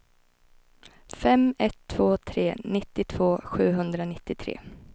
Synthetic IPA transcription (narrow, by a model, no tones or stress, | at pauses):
fɛmɛt̪ʰːv̥oːt̪ʰɾeːnɪt̪ːɪt̪ʰv̥oːɧʉ̟ːɦɵnd̪ɾanɪt̪ːɪt̪ʰɾḛː